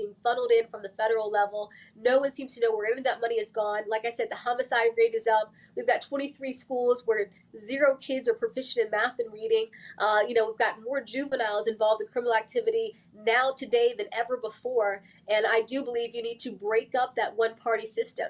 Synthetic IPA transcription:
ɪ̃ŋfʌ̃ɾl̩ˠdɪ̃nfɹʌ̃mðəfɛɾə˞l̩ˠlɛvl̩ˠnoʊwʌ̃nsĩmz̥tʰɨnoʊwə˞ɛ̃ñʌvðət̚mʌniɨzɡɔ̃nlaɪkaɪsɛd̪̚ðɨhɑmɨsaɪd̚ɹẽɪɾɨzʌp̚ | wivɡɑtʰw̥ɛ̃ɾ̃iθɹiskulˠzwə˞ | zɪɹoʊkʰɪdzə˞pʰɹ̥əfɪʃɨ̃nɨ̃nmæθɨ̃nɹiɾɪ̃ŋʔʌjɨñoʊwivɡɑt̚mɔɹd͡ʒʉvɨ̃naɪlˠzɨ̃ɱvɑlˠvd̃kʰɹ̥ɪ̃mənl̩ˠæk̚tʰɪvɨɾi | naʊtʰɨdeɪðɨ̃nɛvə˞bəfɔɹ | ɨ̃naɪdɨbəlivjɨnid̚tʰɨbɹeɪkʌp̚ðɨt̚wʌ̃npʰɑɹɾisɪstɨ̃m

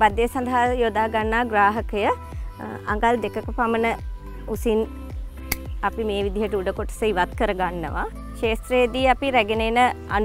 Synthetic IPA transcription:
bad̪jejəsand̪ʱaɦajoːd̪aːɡanːaːɡɾaːɦəkəjə | a̰ŋɡald̪ekəkəpamənə | usin | apimeːʋid̪iɦəʈəuɖəkoʈə̥səiʋat̪kəɾəɡanːə̰ʋa̰ | ʃeːst̪ɾejəd̪iːapiɾæɡenenəan

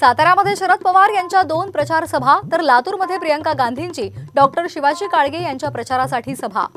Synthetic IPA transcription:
sat̪aɾjaməd̪ʱːjeɕəɾət̪̚pəʋaɾjaɲt͡ɕjad̪onpɾət͡ɕaɾsəbʱat̪əɾlat̪uːɾməd̪ʱjepɾijəŋkaɡãnd̪ʱiɲt͡ɕiːɖɔk̚ʈəɾɕiʋat͡ɕiːkaɭɡejaɲt͡ɕjapɾət͡ɕaɾasaʈʰiːsəbʱa̰

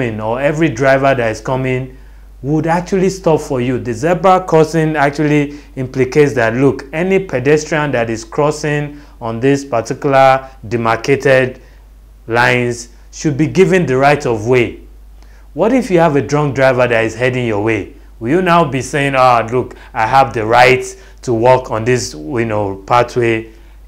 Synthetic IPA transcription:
ɪ̃nɔɛvɹidɹaɪvə˞ðatiz̥kʌmɪ̃n | wudak̚t͡ʃuəlistɔpfɔjuðɨzɛbəkʰɔsɪ̃nak̚t͡ʃuəli | ɪ̃mpliketsðatlukɛnipʰɛdɛstɹ̥iãndaɾiz̥kʰɹ̥ɔsɪ̃ŋ | ɔ̃nðɪspatikjulədimakʰetɛd | lãɪ̃ns | ʃud̚biɡivɨ̃nðəɹaɪtɔvwe | wɔɾifjuavədɹɔ̃ŋk̚dɹaɪvəðatiz̥hɛdɪ̃ŋjɔwe | wɪljunaʊbiseɪ̃ŋaluk | aɪɦavðəɹaɪt | tʰːuwɔkʰɔ̃nðɪsjunopʰatwe

